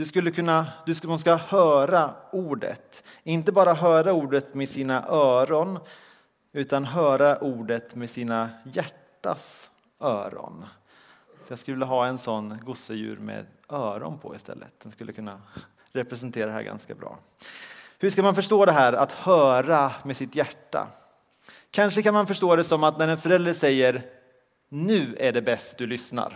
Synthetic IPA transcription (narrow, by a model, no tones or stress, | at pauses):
d̪̥ɵskɵlːəkʰɵnːad̪ɵmʊns̬kahœːɾauːɖə̰t̪ɪnt̪əbɑːɾaɦœːɾauːɖət̪mɛsiːnaʔœːɾɔn | ʉ̟ːt̪anɦœːɾaʔuːɖət̪mesiːnajæʈːa̰s | œːɾɔ̰n | fjɑːskɵvlːəɦɑːɛnsɔnːɡʊsəjʉ̟̰ːɾmḛːœːɾɔ̰npʰɔ̰ɪ̰st̪ʰɛ̰lːə̰t̪̚d̪̥ɛnskɵlːəkʰɵnːa | ɾɛpɾɛsɛnt̪ʰeːɾad̪ɛɦæːɾɡa̰nska̰bɾɑ̰ː | hɵʂkamanfœʂʈoːd̪ɛɦæːɾa̰t̪hœːɾamesɪt̪jæʈːa̰ | kʰanʂəkanmanfœʂʈoːd̪ɛsɔmat̪næɾɛnfœɾɛld̪ɾəʂɛjːəɾ | nʉ̟ːæɖɛbɛst̪d̪ɵlʏsna̰ɾ